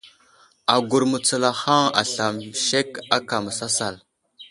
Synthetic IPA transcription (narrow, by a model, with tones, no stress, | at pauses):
a˨ɡu˨ɾmu˨t͡sə˨la˨xa˦ŋa̰˨ɬa˨mʃe˦ka˦ka˨mə˨sa˦sa˨l